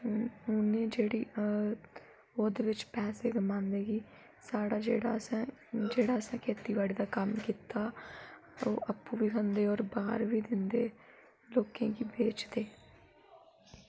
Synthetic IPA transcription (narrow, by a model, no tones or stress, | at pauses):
ʊnẽːd͡ʒeːɽiː | oːd̪eːʋɪt͡ʃpɛːseːɡəmãːnd̪eːɡiː | saːɽaːd͡ʒeːɽaːəsɛ̃ːd͡ʒeːɽaːəsɛ̃ːkʰeːt̪iːʋaːɽiːd̪aːkəmkiːt̪aː | o̰ːʔapːũːʋiːkʰə̃nd̪eːɔːɾbaːɾʋiːd̪ɪnd̪eː | loːkẽːkiːbeːt͡ʃd̪eː